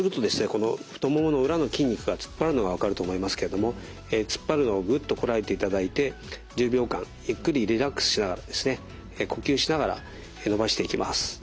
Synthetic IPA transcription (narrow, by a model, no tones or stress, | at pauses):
sɨɾɯ̟t̪o̞d̪e̞sɨne̞ko̞no̞ɸɯ̟̥t̪o̞momɯno̞ɯ̟ɾano̞kʲĩɲ̟ːikɯ̟ɡat͡sɨ̥pːaɾɯ̟no̞ɡaβ̞akaɾɯ̟t̪o̞ːmo̞imasɨ̥ke̞ɾe̞d̪o̞mo̞ | et͡sɨ̥pːaɾɯ̟no̞ːɡɯ̟t̪ːo̞ko̞ɾae̞t̪e̞it̪ad̪ait̪e̞d͡ʑɨːbʲo̞ːkã̰ŋjɯ̟kːɯ̟ɾʲiɾʲiɾakːɯ̥sɨ̥ɕinaɡaɾad̪e̞sɨne̞ | ko̞kʲɨːɕinaɡaɾa̰ | eno̞baɕi̥t̪e̞ikʲima̰sɨ̥